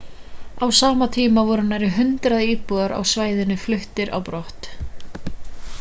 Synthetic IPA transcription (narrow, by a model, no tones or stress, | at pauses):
awsaːmat̪ʰiːmavɔɾʏnaɾɪɦʏnt̪ɾaðiːpuɣaɾa̰wsvaːjðɪnːʏflʏht̪ɪɾa̰wpɾɔht̪